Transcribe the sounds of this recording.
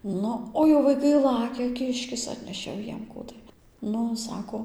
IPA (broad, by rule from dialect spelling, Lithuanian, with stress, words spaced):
ˈnʊ oː jɛʊ ʋɐɪˈkɐɪ ˈlˠɑːkʲɛ ˈkʲɪʃʲkʲɪs ˈɑːtʲnʲɛʃʲeː jɛʊ ˈjiɛm ˈkuː tɐɪ ˈnʊ ˈsɑːkoː